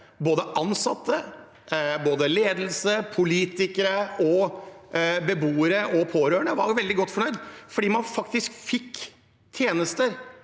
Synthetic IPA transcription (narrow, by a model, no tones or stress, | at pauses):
boːd̪əʔɑnsɑt̪ʰːə | boːd̪əleːd̪l̩səpʰʊliːt̪ɪkəɾəɔ | bəbuːəɾəʔɔpʰoːɾøːɳəʋɑɾʋɛld̪ɪɡɔt̪ːfɔɳœʏd̪fɔɖiːmɑnfɑkt̪ɪskfɪkː | t̪ʰjeːnəst̪əɾ